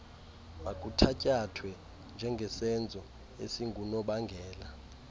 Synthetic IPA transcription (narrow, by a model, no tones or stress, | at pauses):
makʼutʰacʼatʰwɛ | nd͡ʒʱɛŋɡʱɛsɛnd͡zʱɔ | ḛsiŋɡʱunɔɓaŋɡʱɛːla